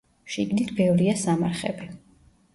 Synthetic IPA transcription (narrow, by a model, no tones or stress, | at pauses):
ʃiɡnit̪ʰbɛvɾiasamaɾχɛ̰bi